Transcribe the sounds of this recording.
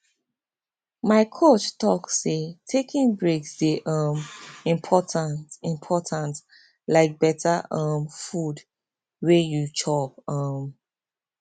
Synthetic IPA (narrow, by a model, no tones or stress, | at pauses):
maɪkʰot͡ʃtɔkssetʰekʰĩŋbɹeksdeʔʌmĩmpʰɔtʰãntĩmpʰɔtʰãnt | laɪk̚bɛtʰaʔʌ̃mfud | wejut͡ʃʰɔp̚ʌm